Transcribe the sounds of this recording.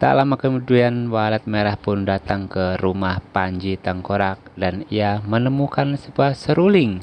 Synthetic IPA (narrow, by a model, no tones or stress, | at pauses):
t̪a̰lamakəmuduanwalat̪̚meɾahpʊndat̪aŋkəɾumahpaɲd͡ʒit̪aŋkoɾak̚daniamənəmukansəbuasəɾulɪŋ